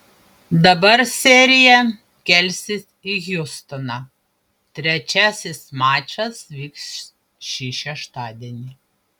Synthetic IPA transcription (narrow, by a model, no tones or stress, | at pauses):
d̪ɐbɐɾsʲɛɾʲɪjɛ | kʲɛlʲsʲɪs | iɣʲjʊst̪ɔnɑ | t̪ʲɾʲɛt͡ʃʲæːsʲɪsmɑːt͡ʃʲɐsʋʲiːks | ʃʲiʃʲɛʃt̪ɑːd̪ʲɛnʲɪ